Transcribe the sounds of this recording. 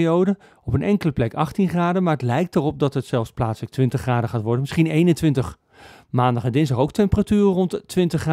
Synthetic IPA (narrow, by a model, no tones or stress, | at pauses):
owdə | ɔpənɛŋkələplɛkɑχtinχraːdəmaːɹɦətlɛjk̚tərɔp̚dɑtɦətsɛlˠfsplaːtsələk̚tʋɪntəχraːdəχaːtʋɔɹdənmɪsχinejnəntʋɪntəχ | maːndɑχɛndɪnzdɑχowktɛmpəratyːrərɔntʋɪntəχr